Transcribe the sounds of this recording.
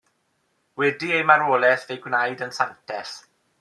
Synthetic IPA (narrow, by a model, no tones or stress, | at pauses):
wɛdiejmaɾoːlɛθvejɡwnajdənsantʰɛɬ